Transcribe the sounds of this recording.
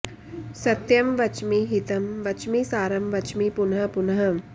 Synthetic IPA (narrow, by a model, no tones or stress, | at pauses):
sɐt̪jɐmʋɐt͡ʃmiɦit̪ɐmʋɐt͡ʃmisaːɾɐmʋɐt͡ʃmipunɐɦɐ̆punɐɦɐ